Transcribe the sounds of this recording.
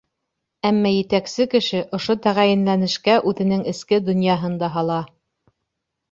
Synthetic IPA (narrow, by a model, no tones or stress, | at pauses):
æmːɑjɘ̆t̪æksɘkɘ̆ʃɘʔŏʃot̪æʁæjɘ̆nlænɘ̆ʃkæʔʉðɘ̆nɘŋɘ̆skɘd̪ŏnjɑɦɤnd̪ɑɦɑlˠɑ